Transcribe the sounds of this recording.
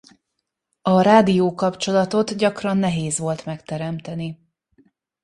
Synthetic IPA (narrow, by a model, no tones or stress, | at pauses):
ɒɾaːd̪ijoːkɒpt͡ʃo̞lɒt̪o̞t̪ɟɒkrɒnːɛɦeːzʋo̞lt̪mɛkt̪ɛɾɛmt̪ɛni